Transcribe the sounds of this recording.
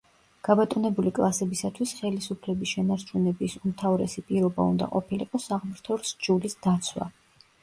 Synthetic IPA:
ɡ̥abat̪ʼɔnɛbulikʼlˠasɛbisat̪ʰwisχɛlisupʰlɛbisʃɛnaɾt͡ʃʰunɛbisumt̪ʰavɾɛ̰sipʼiɾɔba̰ṵnd̪a̰qʼɔpʰiliqʼɔsaʁmɾt̪ʰɔɾsd͡ʒulisd̪̥at̪sʰwa̰

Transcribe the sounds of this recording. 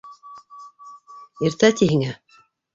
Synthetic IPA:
iɾt̪æt̪ʲiɦɘŋæ

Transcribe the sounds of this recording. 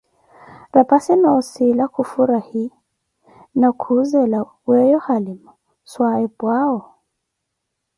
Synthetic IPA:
ɾapasinaɔsilakʰufuɾahi | nakʰuzɛla | wɛjɔhalimu | swaɛbwaɔ

